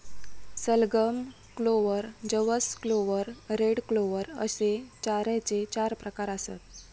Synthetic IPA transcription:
səlɡəm | kloʋəɾd͡ʑəʋəskloʋəɾɾeɽkloʋəɾə̰set͡ɕaɾat͡set͡ɕaɾpɾəkaɾəsa̰t̪̚

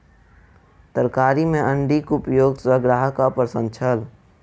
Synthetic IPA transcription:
t̪əɾkaːɾimẽʔə̃ɳɖikʊpjoːɡswəɡɾaːɦkapɾəsə̃nt͡ʃʰəl

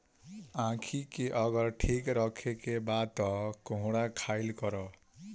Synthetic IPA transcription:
ãkʰikeʔʌɡʌɾʈʰikɾʌkʰekebat̪ʌkõɦɽakʰajlkʌɾɔ

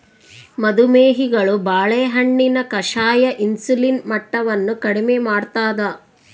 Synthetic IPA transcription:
mɐd̪umeːɦiɡɐɭubaːɭeːɦɐɳːinɐkɐʂaːjɐʔinsulinmɐʈːɐʋɐnːukɐɽimemaːɽt̪aːd̪ɐ

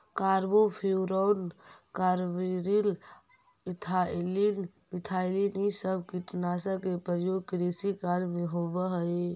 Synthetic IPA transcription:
kaɾbopʰiuɾɔnkaɾʋiɾil | it̪ʰalin | mit̪ʰailinisəbkit̪naːsəkepəɾjoɡ̚kɾisikaɾmeɦoʋəɦəi

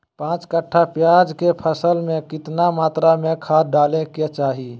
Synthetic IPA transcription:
pãːt͡ʃkəʈʰːapjad͡ʒkepʰəsəlmẽkɪt̪namaːt̪ɾamẽkʰaːɖaːleket͡ʃaːɦi

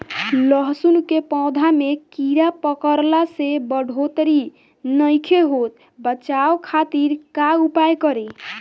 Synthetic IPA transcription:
ləɦsunkepɔ̃d̪ʱamekiɾapəkəɾlasebəɖʱot̪ɾi | nəjkʰeɦot̪̚ | bət͡ʃaokʰat̪iɾkaupajkəɾe

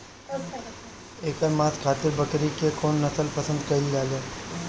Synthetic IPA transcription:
eːkəɾmaːskʰaːt̪ɪɾbɐkɾikekoːnːɐsəlpəsə̃nd̪kɐild͡ʒaːɡɛː

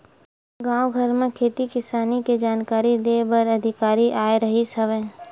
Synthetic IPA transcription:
ɡãːwɡʱɐɾmẽkʰeːt̪ikɪsaːniked͡ʒaːnkaːɾid̪eːbɐɾɐd̪ʱɪkaːɾiʔaːeɾɐɦisɐʋẽː

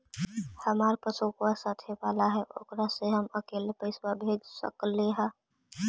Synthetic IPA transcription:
həmaːɾpəsukwasaːt̪ʰebaːlaɦɛʔo̰ːkɾaseɦəməkeːlepəɪswabʱeːd͡ʒsə̰kleɦɛ̃ː

